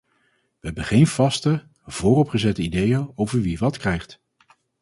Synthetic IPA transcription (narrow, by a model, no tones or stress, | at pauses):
ʋəɦɛbənχejnv̥ɑstə | v̥ʊːrɔpχəzɛtəidejəowvəɹʋiʋɑtkrɛjχt